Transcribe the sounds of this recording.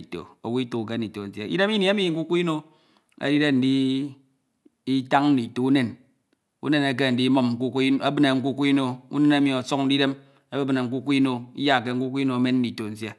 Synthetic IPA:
i˨to̰˨o˨wu˦i˦to˨k̬e˦n˨i˨to˨n̩˨sje˦ḭ˦de˦mi˦ni˨˦e˦mi˨ŋ̩˨ku˦ku˦i˦no˦ | ḛ˦di˦ɾe˦n̩˨di˦ | i˦ta˦ŋn̩˦di˨to˨u˦ne˦n | ṵ˦ne˦ne˨k̬e˦n̩˨di˦mo˦m̩˨ku˦ki˦a˦bɨ˦ne˨ŋ̩˦ku˦ku˦i˦no˦ṵ˦ne˦na˦mi˨o˨so˦k̚n̩˦di˦de˦m | a˦be˦bɨ˨na˨ŋ̩˨k̬u˦ku˦i˦no˨ḭ˦ja˦˨ke˦ŋ̩˦ku˦kʷi˦no˨˦me˦n̩˦di˨to˨n̩˨sje˦

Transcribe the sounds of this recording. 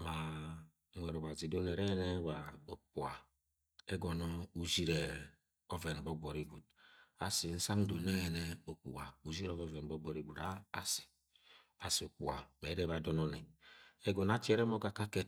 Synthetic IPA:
ma˨ | e˨ɾo˨ba˨zi˨do˦ne˨ɾe˦ne˦wa˨o˨k͡pu˨a˨ | e˦ɡo˨no˦u˨zi˦ɾe˨ | o˦ve˨n˨bo˦ɡ͡bo˨ɾi˨ɡu˨d̚ | a˨si˨n̩˦sa˦ŋ˦do˨ne˦ɛ˨ne˦o˨k͡pṵ˨wa˨u˨zi˦ɾo˦vo˦ve˨n˨bo˦ɡ͡bɔ˨ɾi˨ɡʷu˨ɾa̰ː˦si̥˨ | a˨si˨o˨k͡pu˨a˨me˨˦ɾe˦βa˨do˦no˦ne˨e˦ɡo˨n˦a˦t͡ʃi˦e˦ɾe˦mo˦ka˨ka˦ke˦t

